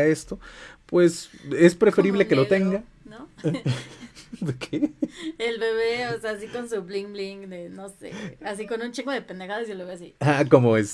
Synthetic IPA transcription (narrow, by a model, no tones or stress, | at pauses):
aest̪opwe̞sespɾe̞fe̞ɾiβle̞kelo̞t̪e̞ŋɡa | no | d̪okʰeelβeβeoseas̬iko̞nsuβliŋɡliŋɡd̪enosḛasiko̞nunt͡ʃiŋɡoðe̞pend̪exaðosielβe̞βeas̬ḭxako̞moes